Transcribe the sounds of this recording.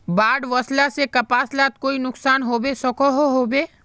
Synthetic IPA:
baːɖʋɔslasekɐpaːslaːt̪̚koːinʊksaːnɦoːbesɔkoɦoɦoːbeː

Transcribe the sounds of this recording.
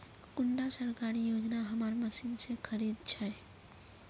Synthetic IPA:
kʊɳɖasəɾkaːɾijoːd͡ʒnaɦɐmaːɾməsinsekʰəɾiːd̪t͡ʃʰɛ

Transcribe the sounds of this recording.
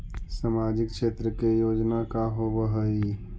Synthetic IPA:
samaːd͡ʒɪkkʰʃeːt̪ɾəkejoːd͡ʒnakaɦoːʋəɦəi

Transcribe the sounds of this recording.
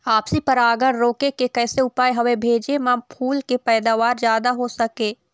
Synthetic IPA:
aːpsipɐɾaːɡəɽ̃ɾoːkekekɛːseʊpaːjɦɐʋebʱeːd͡ʒemãːpʰuːlkepɛːd̪aːʋaːɾzjaːd̪aɦosɐkẽː

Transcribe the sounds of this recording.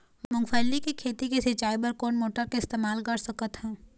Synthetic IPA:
mʊ̃ŋɡfʰəlːikikʰeːt̪ikesɪt͡ʃaːibəɾkoːnmoːʈəɾkeɪst̪eːmaːlkɐɽsəkət̪ɦɛ̃ː

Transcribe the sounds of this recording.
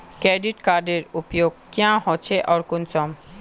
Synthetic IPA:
kɾeɖiʈkaɾɖeɾupjoɡ̚kiãɦɔt͡ɕʰeʔɔɾkunsɔm

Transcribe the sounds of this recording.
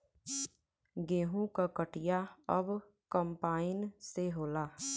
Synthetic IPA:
ɡeːɦũkakəʈɪjaəb | kəmpaːɪnseɦoːlaː

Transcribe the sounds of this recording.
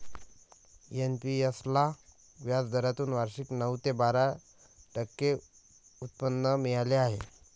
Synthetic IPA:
enpiəsla | ʋjad͡zd̪ʱəɾjat̪uːnʋaɾɕiknəʋt̪ebaɾa | ʈəkːe | ut̪̚pənːəmijaleaɦe

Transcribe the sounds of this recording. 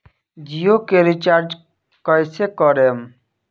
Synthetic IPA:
d͡ʑiokeɾit͡ɕaɾd͡ʒ | kɔjsekɔɾem

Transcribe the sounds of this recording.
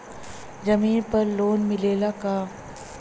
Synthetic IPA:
d͡ʒɐmiːnpɐɾloːnmɪleːlaka

